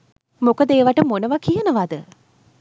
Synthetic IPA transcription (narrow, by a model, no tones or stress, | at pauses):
mokəd̪əeːʋaʈəmonəʋakijənəʋad̪ə